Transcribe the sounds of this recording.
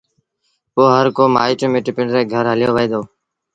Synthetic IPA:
poːɦəɾkoːma̰ːiːʈimeːʈɪpɪɳɖɾeːɡʱəɾɦəlɪjoːʋeːd̪oː

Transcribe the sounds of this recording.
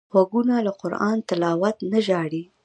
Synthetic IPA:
xwaɡunalaqʊɾɑ̰nt̪ɪlɑwat̪naʒɑɽi

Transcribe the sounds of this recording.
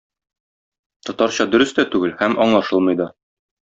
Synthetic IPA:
t̪ɒt̪ɑɾɕɑd̪ɵ̆ɾɵ̆st̪æt̪ʉɡɘlhæmɒɴlˠɑʃɤlˠmɤ̆jd̪ɑ

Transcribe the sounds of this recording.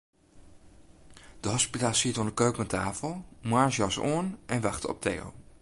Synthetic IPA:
d̥əɦɔspitaːlˠsitoːndəkøːknətʰaːfəlˠmwaːɹsjɑso̰ənʔɛnʋɑχtəɔ̰p̚tʰḛːo̰

